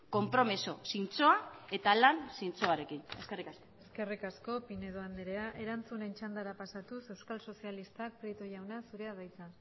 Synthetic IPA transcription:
ko̞mpɾo̞miso̞sint͡so̞ae̞t̪alansint͡soaɾe̞kine̞ske̞rikaskoeske̞rikasko̞pine̞ðoand̪eɾe̞aʔe̞ɾant͡sune̞nt͡ʃand̪aɾapasat̪use̞wskalso̞sialist̪ak̚pɾit̪oʝawnasuɾe̞aðajt͡san

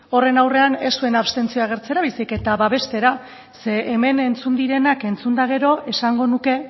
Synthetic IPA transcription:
o̞re̞nawre̞ane̞st̪ue̞naβst̪e̞nt͡sioaɣ̞e̞ɾt͡seɾaβisike̞t̪aβaβe̞st̪e̞ɾa | se̞ːme̞ne̞nt͡sund̪iɾe̞nake̞nt͡sund̪aɣ̞e̞ɾo̞ʔe̞saŋɡo̞nuke̞

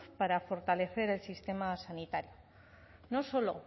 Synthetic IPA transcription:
paɾafo̞ɾt̪ale̞θe̞ɾe̞lsist̪e̞masanit̪aɾjo | nosolo

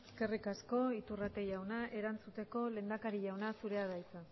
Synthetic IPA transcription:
eske̞rikasko̞it̪urat̪e̞ʝawnaʔe̞ɾant͡sut̪e̞ko̞le̞ːnd̪akaɾiʝawnasuɾe̞aðajt͡sa

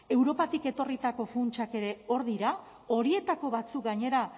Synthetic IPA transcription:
e̞wɾo̞pat̪ike̞t̪o̞rit̪ako̞funt͡ʃake̞ɾe̞o̞ɾðiɾa | o̞ɾie̞t̪ako̞βat͡suk̚ɡaɲe̞ɾa

